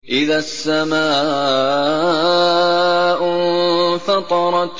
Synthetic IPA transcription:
ʔɪðaːsːamaː | ʔ | fɑt̪ˤɑɾˤɑt̪

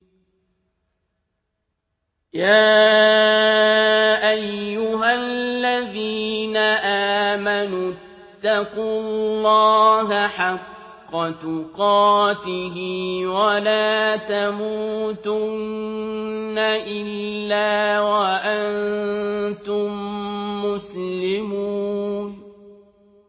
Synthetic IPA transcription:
jaː | ʔajːʊɦallːaðiːnaʔaːmanu | t̪ːɑqulˤːɑːɦaħɑqː | ɑt̪ʊqɑːt̪ɪɦɪwalaːt̪amuːt̪ʊnː | aʔɪlːaːwaʔan | t̪ʊmː | ʊslɪmuːn

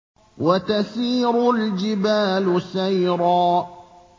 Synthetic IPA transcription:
wat̪asiːɾʊld͡ʒɪbaːlʊsajɾˤɑː

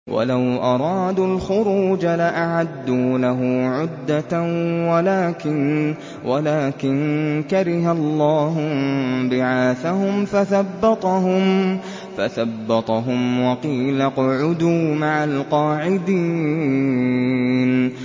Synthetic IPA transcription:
wʔa̰lawʔɑɾˤɑːd̪ulxʊɾuːd͡ʒalaʔaʕad̪ːuːlaɦʊːʕʊd̪ːawalaːkɪn | wʔalaːkɪnkaɾɪɦalˤːɑːɦʊbɪʕaːθahʊmfaθabːɑt̪ˤɑɦʊm | fa̰θabːɑt̪ˤɑɦʊmwɑqiːlaqʊʕʊd̪uːmaʕalqɑːʕɪd̪iː | n

